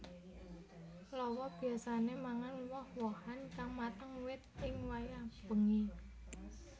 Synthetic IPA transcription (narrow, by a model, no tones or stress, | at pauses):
lɔwɔb̥i̤asanemaŋanwɔhwɔhankaŋmat̪əŋwɪt̪̚ɪŋwajab̥əŋi